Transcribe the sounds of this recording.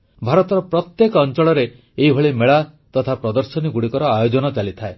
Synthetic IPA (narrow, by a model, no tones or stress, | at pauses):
bʱaɾɔt̪ɔɾɔpɾɔt̪jekɔːnt͡ʃɔɭɔɾeː | ɦibʱɔɭimeɭat̪ɔt̪ʰapɾɔd̪ɔɾsɔniɡuɽikɔɾɔajod͡ʒɔnɔt͡ʃalit̪ʰae